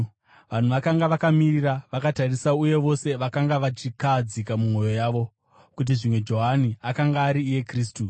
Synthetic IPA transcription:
ʋan̤uʋakaŋɡaʋakamiriraʋakatarisauje̞ʋo̞se̞ʋakaŋɡaʋat͡ʃikad͡zikamumo̞jo̞jaːʋo̞ | kut̬iʐimwe̞d͡ʒo̞ɦaniakaŋɡaːɾiːje̞kriːstu

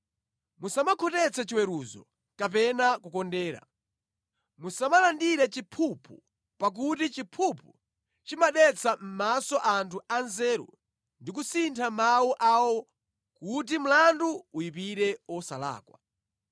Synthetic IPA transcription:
musamakʰɔtɛt͡sʰɛt͡ʃiwɛɾuzɔ̰ | kapɛnakukɔndɛːɾa̰ | musamalandiɾɛt͡ʃipʰupʰu | pak̬utit͡ʃipʰupʰu | t͡ʃimaɗɛt͡sʰam̩masɔʔantʰuanzɛːɾṵ | ndikusintʰamawuʔawɔ | kut̬im̩landuːipiɾɛɔsa̰la̰ːkwa̰

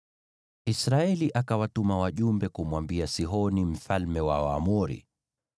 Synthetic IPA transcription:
isɾaɛliʔakawatumawaʄumbɛkumwambiasiɦɔnim̩falmɛwa̰wa̰muɾḭ

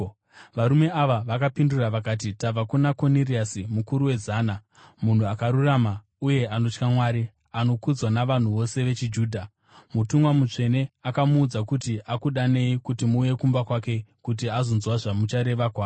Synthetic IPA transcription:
ʋaɾume̞aʋaʋakapinduraʋakaːt̬itab͡vakunako̞niriasimukuɾuwe̞zaːna | mun̤uakaɾurama | uje̞ʔano̞t͡ʃkamwaːɾi | ano̞kud͡zwanaʋan̤uʋo̞se̞ʋe̞t͡ʃid͡ʒuːdʱa | mutumwamut͡ʂe̞ne̞akamuːd͡zakutiʔakuɗane̞ikutimuːje̞kumbakwake̞kut̬iazo̞nzwaʐamut͡ʃaɾe̞ʋakwaːo

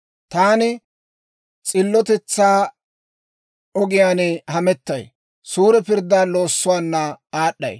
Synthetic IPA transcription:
t̪aːnɪ | t͡sʼɪlːɔt̪ɛt͡sːaː | ɔɡɪjaːnɛhɐmɛt̪ːɐj | suːɾɛpɪɾd̪ːaːlo̞ːsːʊwaːnːɐaːɗːɐ̰j

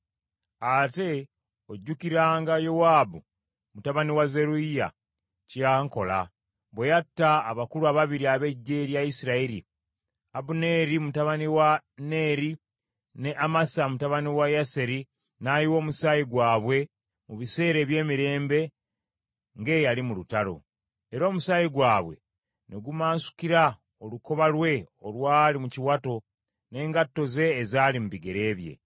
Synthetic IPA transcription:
ate̞ | o̞ɟːukiɾaːŋɡajo̞waːbu | mutaβaniwaze̞ɾuija̰ | caːŋko̞̰la̰ | βwejatːaːβakuɾuaβaβiɾiaβe̞ɟːe̞ɾjajisiɾaiɾḭ | abune̞ːɾimutaβaniwane̞ːɾi | ne̞ʔamasamutaβaniwajase̞ɾi | najiwo̞ːmusaːjiɡwaːβwe̞ | muβise̞ːɾe̞ːβje̞ːmiɾe̞ːmbe̞ | ŋɡe̞ːjalimulutaɾo̞̰ | eɾo̞ːmusajiɡwaːβwe̞̰ | ne̞ɡumaːnsu̥kiɾa | oluko̞βalwe̞ | olwaːlimuciwato̞ | ne̞ːŋɡatːo̞ze̞ːzaːlim̩biɡe̞ɾe̞ːβje̞̰

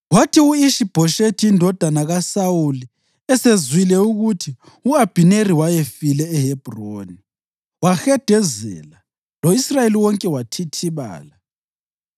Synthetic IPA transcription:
watʰiuiʃib̥ʱɔʃetʰiindʱɔd̥ʱanaɣasawuli | ɛsezwilɛuɣutʰi | uab̥ʱineriwajefilɛːɦeb̥ʱroːni | waxɛd̥ʱɛzɛ̰la | loisrajeliwɔŋkʼɛwatʰitʰiβa̰ːla

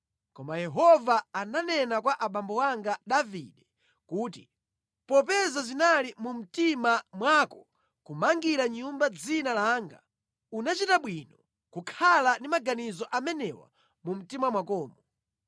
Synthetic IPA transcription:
kɔmajɛɦɔvaːnanɛnakwaʔaɓambɔwaŋɡaɗavḭɗɛ | kuːti | pɔpɛzazinalimum̩timamwakɔ | kumaŋɡiɾaɲumbad͡zinalaːŋɡa̰ | unat͡ʃitaɓwinɔ | kukʰalandimaɡanizɔʔamɛnɛwa̰ | mum̩timamwakɔːmɔ

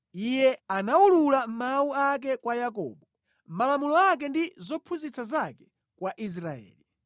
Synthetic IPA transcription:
ijɛanaululam̩mauak̬ɛkwajakɔ̰ːɓɔ | m̩malamulɔak̬ɛndizɔpʰuzit͡sazakɛ | kwaʔis̬ɾaɛ̰ːli

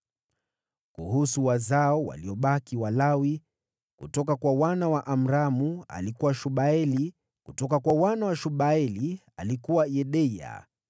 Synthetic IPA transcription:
kuɦusuwazaɔwa̰liɔɓakiwalawi | kutɔkakwawanawaʔam̩ɾamua̰likuwaʃuɓaɛli | kutɔkakwawanawaʃuɓaɛli | alikuwajɛɗɛa̰

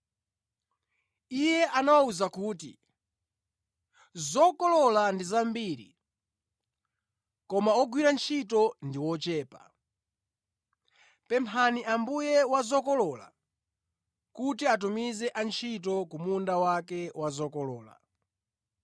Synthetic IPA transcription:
ijɛʔanawauzakuːti | zɔkɔlɔlandizambiːɾḭ | kɔmaɔɡwiɾant͡ʃʰitɔndiwɔt͡ʃɛːpa̰ | pɛmpʰaniʔambujɛwazɔkɔlɔla̰ | kut̬iat̬umizɛʔant͡ʃʰit̬ɔkumundawakɛwazɔkɔlɔːla̰

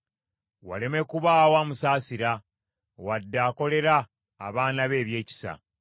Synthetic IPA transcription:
wa̰le̞me̞kuβaːwaːmusaːsiɾa | wadːaːko̞le̞ɾaː | βaːnaβe̞ːβje̞ːci̥sa̰

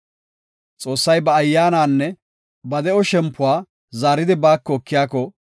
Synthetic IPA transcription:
t͡sʼo̞ːsːɐjbɐːjːaːnaːnːɛ | bɐd̪ɛɔʃɛmpːʊwaː | zaːɾɪd̪ɪbaːkːɔːkːɪjaːkɔ

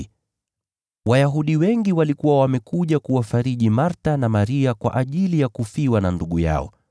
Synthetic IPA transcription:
wajaɦuɗiwɛŋɡiwalikuwawamɛkuʄakuwafaɾiʄimaɾtanamaɾiakwa̰ʔaʄilijakufiwananduɠuja̰ɔ̰

